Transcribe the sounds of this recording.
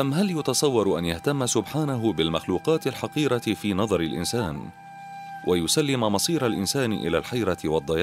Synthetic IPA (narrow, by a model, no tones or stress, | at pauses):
ʔamɦaljʊt̪ɑsˤɑwːɑɾˤʔanjaht̪amːasʊbħaːnaɦʊbɪlmaxluːqɑːt̪ɪlħɑqiːɾɑfiːnɑðˤɑɾɪlʔɪ̰nsaːn | wʔajʊsalːɪmmɑsˤiːɾalʔɪ̰nsaːnɪ̰ʔɪ̰laːlħajɾɑwɑd̪ˤːɑjɑː